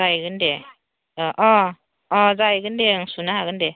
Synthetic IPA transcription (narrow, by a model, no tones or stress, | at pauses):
ajɡɯnde | ɔʔɔ | ɔzajɡɯndeŋsunaɦaɡɯnde